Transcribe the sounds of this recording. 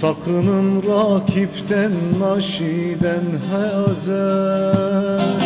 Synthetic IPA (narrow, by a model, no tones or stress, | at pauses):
sɑkʰɯnɯnɾɑkʲʰipt̪ʰænːɑʃid̪ænhæɑza